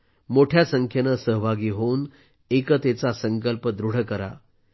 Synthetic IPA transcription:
moʈʰjasəŋkʰjenəsəɦbʱaɡiːɦoun | ekət̪et͡sasəŋkəlpəd̪ɾuɽ̤əkəɾa̰

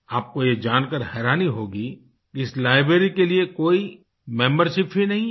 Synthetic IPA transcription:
aːp̚kojed͡ʒaːnkəɾɦɛːɾaːniɦoːɡi | kiɪslaːɪbɾeːɾikeliekoːi | mɛ̃ːmbəɾʃɪpɦinɐɦĩ

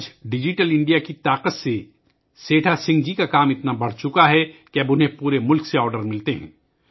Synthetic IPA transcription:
d͡ʒɖɪd͡ʒɪʈəlɪ̃ɳɖijakit̪aːqət̪se | seːʈʰasɪ̃ŋɡd͡ʒikakaːmɪt̪nabɐɽ̤t͡ʃʊkaɦɛkeɐbʊnɦẽpuːɾemʊlkseɔːɾɖəɾmɪlt̪eɦɛ̰̃ː

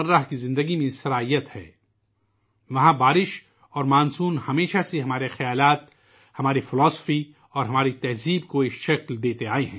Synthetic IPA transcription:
ɐɾːaɦkizɪ̃nd̪əɡimẽsɐɾaːijət̪hɛ̰ː | ʋɐɦãbaːɾɪʃ | ɔːɾmaːnsuːnhɐmeːʃaseɦɐmaːɾexɐjaːlaːt̪ | hɐmaːɾifɪlɔːsfi | ɔːɾɦɐmaːɾit̪ɛɦziːbkoɪkʃɐkld̪eːt̪eaːeɦɛ̃ː

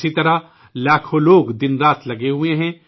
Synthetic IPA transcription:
sit̪ɐɾa | laːkʰoloːɡd̪ɪnɾaːt̪lɐɡeɦʊeɦɛ̃ː

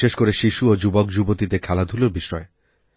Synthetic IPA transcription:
eʃkoɾeʃiʃuod͡ʒubɔk̚d͡ʑubot̪it̪ekʰɛlad̪ʱuloɾbiʃɾɔe

